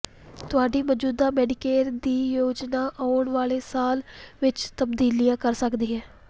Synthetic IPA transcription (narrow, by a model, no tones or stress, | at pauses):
t̪ʊaːɖiːməd͡ʒuːd̪aːmɛːɖɪkeːɾd̪iːjoːd͡ʒnaːʔɔːɳʋaːleːsaːlʋɪt͡ʃt̪əbd̪iːlijãːkəɾsəkd̪iːɦɛː